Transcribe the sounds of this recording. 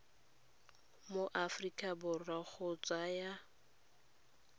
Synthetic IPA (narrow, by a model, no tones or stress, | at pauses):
moʔafrikʼabʊraχʰʊt͡sʼwaja